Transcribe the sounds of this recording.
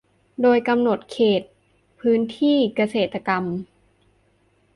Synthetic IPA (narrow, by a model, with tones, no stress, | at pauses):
doː˧jka˧mno˨˩t̪̚kʰeː˨˩t̪̚ | pʰɯː˦˥nt̪ʰiː˥˩ka˧seː˨˩t̪ːa˧ka˧m